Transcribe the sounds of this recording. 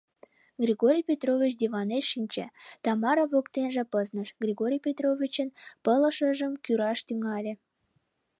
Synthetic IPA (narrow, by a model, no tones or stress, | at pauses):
ɣrʲiɣoɾʲijpʲet̪rovʲit͡ɕd̪ʲiβɑneʃinʲt͡ɕḛt̪ɑmɑɾoβokt̪enʒĕpəznəʃɡrʲiɣoɾʲijpʲet̪rovʲit͡ɕənpələʃəʒəmkyɾɑʃt̪yŋɑlʲe